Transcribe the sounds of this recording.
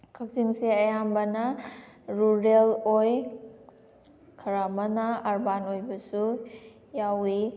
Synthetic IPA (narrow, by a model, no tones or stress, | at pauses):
kʰak̚ziŋsiɐjambɐnɐɾuɾeloj | kʰɐɾamɐnɐːɾbanojbɐsu | jawi